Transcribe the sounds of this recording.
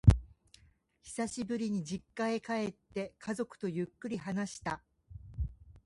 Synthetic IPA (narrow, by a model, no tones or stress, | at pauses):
çi̥saɕibɯ̟ɾʲiɲ̟id͡ʑikːae̞kae̞t̪ːe̞kʰazo̞kɯ̟̥t̪o̞jɯ̟kːɯ̟ɾʲiɦanaɕi̥t̪a